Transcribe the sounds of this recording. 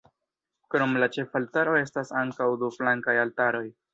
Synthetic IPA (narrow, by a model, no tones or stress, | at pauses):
kɾo̞mlat͡ʃe̞faltaɾo̞e̞stasaŋkawduflaŋkajaltaɾo̞j